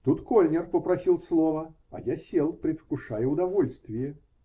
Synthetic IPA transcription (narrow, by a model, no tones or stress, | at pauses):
t̪ut̪kɔlʲnʲɛrpəpɾasʲilˠslˠɔvɐ | ɐ̰jasʲɛlˠpɾʲɪfkʊʂajɛʊd̪avɔlʲst̪vʲɪjɛ